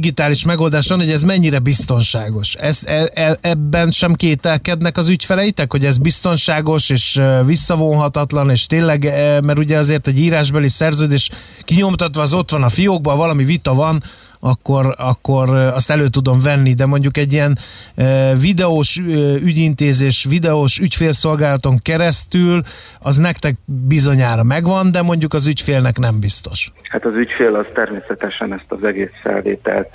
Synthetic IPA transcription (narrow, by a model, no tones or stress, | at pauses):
ɡit̪aːliʃmɛɡo̞ld̪aːʃʋɒnhoɟɛzmɛɲːiɾɛbist̪o̞nʃaːɡo̞ʃɛst̪ɛɛɛbːɛnʃɛmkeːt̪ɛlkɛd̪nɛkɒzycfɛlɛjit̪ɛkho̞ɟɛzbist̪o̞nʃaːɡo̞ʃeːʃøvisːɒvonɦɒt̪ɒt̪lɒneːʃt̪eːnlɛɡmɛɾuɟɛɒzeːrt̪ɛɟiːɾaːʒbɛlisɛrzøːd̪eːʃkiɲo̞mt̪ɒt̪ʋɒːzo̞t̪ʋɒnɒfijoːɡ̚bɒvɒlɒmivit̪ɒvɒn | ɒkːo̞ɾɒkːo̞rɒst̪ɛløːt̪ud̪o̞ɱvɛnːid̪ɛmo̞ɲɟukɛɟːijɛn | vid̪ɛoʃøyɟint̪eːzeːʃʋid̪ɛoːʃycfeːlso̞lɡaːlɒt̪o̞ŋkɛɾɛst̪yl | ɒznɛkt̪ɛk̚bizo̞ɲaːɾɒmɛɡʋɒnd̪ɛmo̞ɲɟukɒzycfeːlnɛkn̪ɛmbist̪o̞ʃhat̪ɒzycfeːlɒzt̪ɛrmeːsɛt̪ɛʃɛnɛst̪ɒzɛɡeːsfɛ̰lvḛːt̪ɛ̰lt̪̚